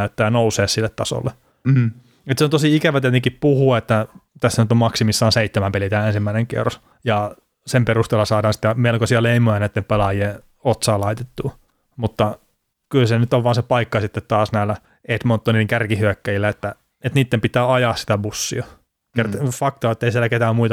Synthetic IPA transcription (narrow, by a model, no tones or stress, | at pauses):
yt̪ːæːjɑnouseːssilːet̪t̪ɑso̰lːe | et̪seont̪osiikæʋæt̪iet̪eŋkippuhuɑet̪ːæt̪æsːænyt̪omɑksimisːɑːnseit̪ːemæmpelit̪æːensimːæineŋkḛrs | jɑ | semperust̪eːlːɑsɑːdɑːnsi̥t̪ːæmelkosiɑleimojɑnæit̪ːempelɑjie | ot̪sɑːlɑit̪et̪ːuː | mut̪ːɑ | kylsenyt̪oʋʋɑːnsepɑikːɑsit̪ːet̪t̪ɑːsnæilːæ | et̪mont̪ːoniːiŋkærkihyøkːæjilːæet̪ːæ | et̪niːt̪ːempit̪ˑæːɑjɑːssi̥t̪æbusːḭɑ | kerfɑkt̪ɑet̪ːeisielːæket̪æːmmuit̪ɑ